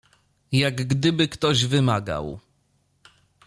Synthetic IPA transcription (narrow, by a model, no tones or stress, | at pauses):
jaɡɡd̪ɘbɘkt̪ɔʑvɘmaɡa̰w